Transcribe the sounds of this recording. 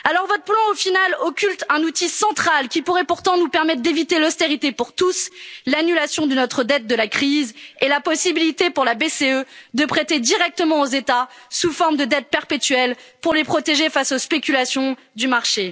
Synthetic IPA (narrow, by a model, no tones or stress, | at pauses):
alɔʁvɔt̪χplɑ̃ofinalɔkʲylt̪ɛ̃nut̪isɑ̃t̪χalkʲipuʁɛpuʁt̪ɑ̃nupɛʁmɛt̪χd̪evit̪elɔst̪eʁit̪epuʁt̪uslanylasjɔ̃d̪ənɔt̪χəd̪ɛt̪̚d̪əlakχizelapɔsibilit̪epuʁlabeseød̪əpχet̪ed̪iʁɛk̚t̪əmɑ̃ozet̪asufɔʁmd̪əd̪ɛt̪̚pɛʁpet̪ɥɛlpuʁlepχɔt̪eʒefasospekʲylasjɔ̃ | d̪ymaʁʃe